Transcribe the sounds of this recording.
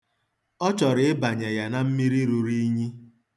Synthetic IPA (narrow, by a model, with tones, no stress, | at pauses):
ɔ˦t͡ʃɔ˨ɾɪ˨ɪ˦ba˨ɲa˨ja˨na˦m̩˦mi˦ɾi˦ɾu˨ɾi˦ɲi˦